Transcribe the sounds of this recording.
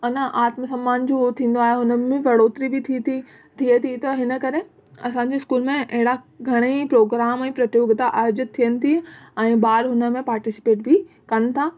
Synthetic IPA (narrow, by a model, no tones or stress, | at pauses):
ɐnəʔaːt̪məsɐ̃mːaːnd͡ʑot̪ʰĩːn̆d̪oaːɦeɦʊnə̆mẽʋɐɽoːt̪ɾibɪt̪ʰit̪i | t̪ʰiet̪ʰit̪ɐɦɪnə̆kɐɾe | ɐsãːɲ̆d͡ʑiɪskuːlmẽʔɐɦɪɽ̃a | ɡʱɐɽ̃ipɾoːɡɾaːmɛ̃ːpɾɐt̪joːɡt̪aʔaːjd͡ʑət̪̚ʰːijənɪ̆t̪ʰiɛ̃ːbaːɾɦʊnə̆mẽpaːɾʈɪsɪ̥peːʈ̚bʱɪ | kɐnɪ̆t̪ʰaː